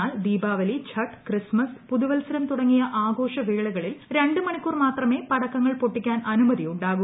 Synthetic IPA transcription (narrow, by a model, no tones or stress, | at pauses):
aːld̪iːbaːʋɐlit͡ɕʰɐʈːkrismɐspuðuʋɐlsɐɾɐmt̪uɽɐŋːijɐʔaːɡo̞ːʂɐʋiːɭuɣɐɭilɾe̞ɳɖɨmɐɳikʲːuːrmaːt̪rɐme̞ːpɐɽɐkːɐŋːɐɭpoʈːikʲːaːnɐnumɐðiuɳɖaːɣu